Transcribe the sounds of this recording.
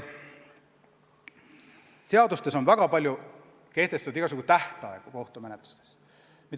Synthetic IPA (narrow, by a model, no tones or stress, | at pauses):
se̞ɑd̪ust̪e̞so̞nvæɡ̥ɑpɑlʲju | ke̞ht̪e̞st̪ud̪iɡ̥ɑsukut̪æht̪ɑeɡ̥uko̞ht̪ume̞net̪l̥u̥st̪e̥s | mit̪